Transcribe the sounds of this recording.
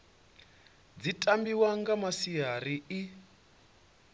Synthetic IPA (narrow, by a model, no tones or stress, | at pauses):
d͡zitʼambiwaŋɡamasijaɾii